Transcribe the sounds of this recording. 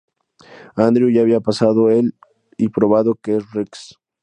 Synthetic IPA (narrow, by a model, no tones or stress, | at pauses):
and̪ɾjuʝaːβiapasaðoel | ipɾoβaðokeriks